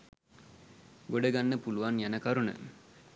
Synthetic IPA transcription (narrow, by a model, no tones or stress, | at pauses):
ɡoɖəɡanːəpuluʋanjænəkaɾunə̰